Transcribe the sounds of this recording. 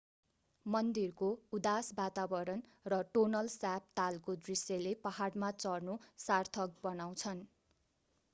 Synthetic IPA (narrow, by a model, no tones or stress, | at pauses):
mʌnd̪irkoud̪asbat̪abʌɾʌnrʌʈonʌlsap̚t̪alkod̪risjelepaɦaɽmat͡sʌrnosart̪ʰʌk̚bʌnaw̃t͡sʰʌn